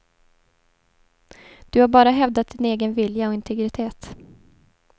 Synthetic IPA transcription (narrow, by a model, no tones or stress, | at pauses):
d̪̥ɵhaɾbɑːɾaɦɛvd̪at̪̚d̪ɪneːɡənvɪljaɔɪnt̪ʰɛɡɾɪt̪ʰeːt̪